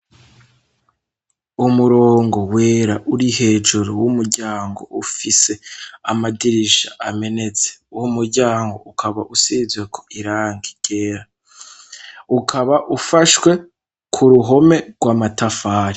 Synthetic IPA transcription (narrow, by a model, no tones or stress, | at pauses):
umuɾo̞ːŋɡo̞we̞ːɾaʔuɾihe̞ːd͡ʒuɾowumuɾɟaːŋɡo̞̰ufise̞amadiɾiʃa̰ʔame̞ne̞t͡se̥uwumuɾɟaːŋɡo̞̰ukʰaβa̰ʔusiːzwe̞kʰo̞̥ʔiɾaːŋɡiɡ̥e̞ːɾa | ukʰaβaʔufaʃwe̞ | kʰuɾuɦo̞me̞ɡ̥waːmatafaːɾi